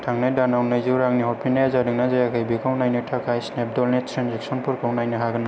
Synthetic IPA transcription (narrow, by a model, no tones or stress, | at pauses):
tʰaŋnajdanawnɯjzɯɾaŋniɦɔɾpʰinajazadɯŋnazajakʰajbikʰawnajnɯtʰakʰajsnep̚dɔlnetʰɾanzɛksɔnpɯɾkʰɔwnajnɯɦaɡɯna